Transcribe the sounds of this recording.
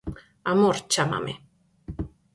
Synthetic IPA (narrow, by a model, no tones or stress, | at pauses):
amoɾt͡ʃama̰mʔe